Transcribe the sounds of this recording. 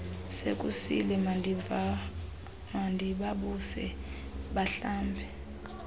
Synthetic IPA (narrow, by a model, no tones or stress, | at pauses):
sek̬ʼusḭlɛ | mandʱiɓaɓusɛɓaɬaːmbʱɛ